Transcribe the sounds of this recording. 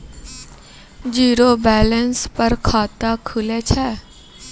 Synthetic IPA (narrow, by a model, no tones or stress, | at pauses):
d͡ʒiːɾobɛːlənspɐɾkʰaːt̪akʰʊlet͡ʃʰɛː